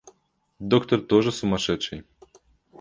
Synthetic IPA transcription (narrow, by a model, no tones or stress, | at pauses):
d̪ɔkt̪ɔrt̪ɔʒɛsʊmɐʃɛt͡ʃɛj